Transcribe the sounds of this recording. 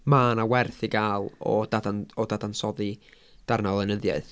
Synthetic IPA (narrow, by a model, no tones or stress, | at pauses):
maːnawɛrθiɡaːlˠɔ̰dadanɔdadansɔði | d̥arnalˠənəðjaɨθ